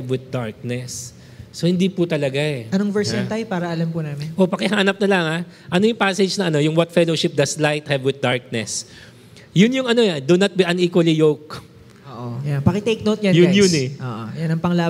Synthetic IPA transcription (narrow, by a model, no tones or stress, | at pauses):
ɛvwɪd̪̚d̪aɹk̚nɛsː | o̞hɪnd̪ipʊt̪ɐlɐɡaɛɐnoŋvɛɹsɛnt̪ajpaːɾɐɐlɐmpʊnaːmɪnʔo̞pɐkɪɦaːnɐp̚nɐlɐŋaʔɐno̞jʊŋpaːsɛd͡ʒnɐɐno̞jʊŋwɐt̪̚fɛloʃɪp̚d̪ɐslajt̪̚hɛvwɪd̪̚d̪aɹk̚nɛs | jʊnjʊŋɐno̞jad̪ʊnɐt̪̚biʔɐniːkwɐlijowk̚ | oːʔojanpɐkɪt̪ejk̚nowt̪̚jajʊjʊnɛʔoʔojanɐŋpɐŋla